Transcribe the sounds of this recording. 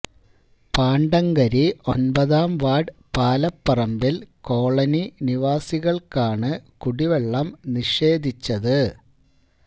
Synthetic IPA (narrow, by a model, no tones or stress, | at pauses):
paːɳɖɐŋɡɐɾio̞nbɐðaːmʋaːɖpaːlɐpːɐrɐmbilko̞ːɭɐniniʋaːsiɣɐɭkaːɳɨkuɽiʋeɭːɐmniʂe̞ːd̪ʱit͡ɕːɐðɨ